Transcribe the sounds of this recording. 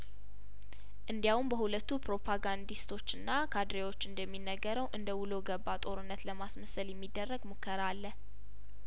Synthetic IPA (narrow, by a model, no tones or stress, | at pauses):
ʔɨnd̪jawumbəhulət̪ːupɾo̞pʰaɡand̪ist̪ʰo̞t͡ʃːɨnːakʰad̪ɾewo̞t͡ʃːɨnd̪əmːinːəɡəɾəwʔɨnd̪əwuləɡəbːat̪ʼo̞ɾɨnːət̪ləmasməsəljɛmːid̪ːərːəɡmokʰːəɾalːə